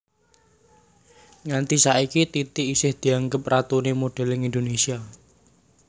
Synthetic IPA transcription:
ŋant̪isaikit̪it̪ɪisɪhd̪̥i̤aŋɡəp̚rat̪unemoɖ̥ɛ̤lɪŋind̪onesia

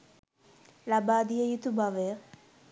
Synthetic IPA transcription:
labaːd̪ijɐjut̪ubaʋe

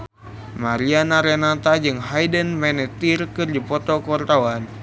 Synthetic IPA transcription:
maɾianaɾɛnat̪ad͡ʒɨŋɦajdənmɛnɛt̪irkɨrdipɔt̪ɔkɔrt̪awan

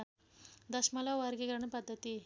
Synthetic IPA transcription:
d̪əɕmalaʋaɾɡeɡɾaɳ̃ipəd̪ʱːət̪iː

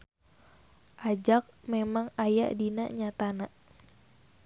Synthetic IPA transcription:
ʔad͡ʒak̚memaŋaja̰ʔdina̰ʔɲat̪anaʔ

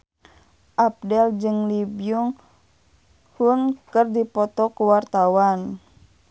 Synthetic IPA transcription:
ʔap̚dɛld͡ʒɨŋlibijuŋ | hunkɨrdipɔt̪ɔkəwart̪awan

